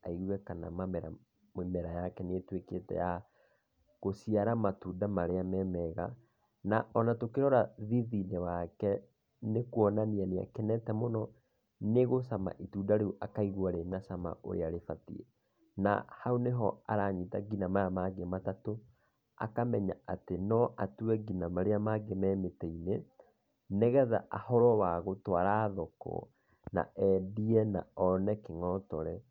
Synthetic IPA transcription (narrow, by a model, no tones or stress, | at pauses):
aiɣuwɛkana̰mamɛɾa̰ | mmɛɾajakɛnetweketɛ̰ja | ɣosiaɾamatuːdamaɾeamɛmɛɣa | naʔɔnatokeɾɔɾaðiðinɛwakɛ | nekwɔnanianea̰kɛnɛtɛmonɔ | neɣosama̰ʔituːdaɾeuʔakaiɣwaɾenasama̰ʔo̰ɾḛaɾefatḭɛ̰ | na̰hauneɦɔa̰ɾaːɲitaɡinamaamaɡematato | a̰kamɛɲa̰atenɔʔatuwɛɡinamaɾeamaɡemɛmetɛine | neɣɛða̰ʔahɔɾɔwaɣotwaɾaːðɔkɔ̰ | na̰ʔɛdiɛna̰ɔnɛkeŋɔtɔɾɛ